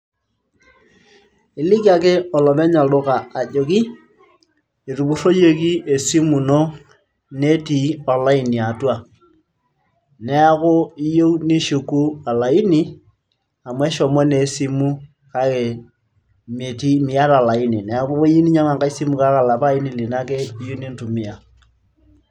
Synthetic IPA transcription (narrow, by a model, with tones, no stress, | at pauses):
i˨li˦ka˨k̬e˦ɔ˨lɔ˨mɛ˦ɲa˨dʊ˦kaː˨d͡ʒo˨ki˦ | e˨ɾu˨bu˨˦ɾo˦je˦ki˦e˨si˦mu˨no˦ | ne˦ti˨ɔ˨la˦i˨ni˨a˨twa˦˨ | nɛ˦a˦kʊ˦i˦jo˦u˦ni˦ʃu˨ku˦a˨la˨i˦ni˦ | a˨mwɛ˦ʃɔ˨mwɛ˦ne˨si˦mu˦ | ka˦ke˨ | me˨ti˦mi˨a˦ɾa˨la˨i˦ni˨nɛ˨a˦ko˦βo˦ji˦ni˦ɲa˦ma˨ŋɡa˦i˦si˦mu˨ka˦ka˨la˨pa˦i˦ni˨li˨na˦kɛ˦i˦ju˦ni˦n˦tu˨mi˦˨a˨